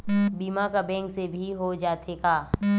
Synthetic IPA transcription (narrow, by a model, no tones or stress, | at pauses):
biːmakabɛ̃ːŋksebʱiɦod͡ʒaːt̪ʰekaː